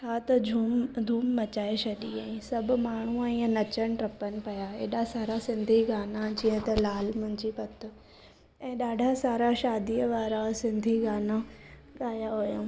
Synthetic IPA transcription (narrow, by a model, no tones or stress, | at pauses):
t͡ʃʰat̪ɐd͡ʑʱumd̪ʱuːmːɐt͡ɕaːesɐɗiãĩsɐbʱʊmaːɳ̤̃uɛ̃ːnɐt͡ɕəñʈɾɐpənɪ̆pɐjaḛːɗasaːɾasɪ̃nd̪ʱiɡaːnad͡ʑĩːə̃t̪ɐlaːlmʊ̃ɦɪ̃ɲd͡ʑipɐt̪ʰʊ̆ | ɛ̃ːɗaːɖʱasaːɾaʃaːd̪iːəʋaːɾasɪ̃nd̪ʱiɡaːna | ɠaːjaɦojã